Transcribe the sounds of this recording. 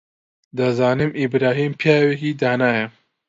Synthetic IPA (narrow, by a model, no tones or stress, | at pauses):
d̪ɐzaːnimʔibɾaːɦiːmpʰijaːwekiːd̪aːnaːjɐ